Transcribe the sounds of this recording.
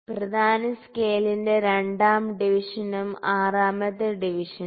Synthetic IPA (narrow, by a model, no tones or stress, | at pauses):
prɐd̪ʱaːnɐskeːlinde̞ɾe̞ɳɖaːmɖiʋiʂɐnɐmaːraːmɐðɐɖiʋiʂɐn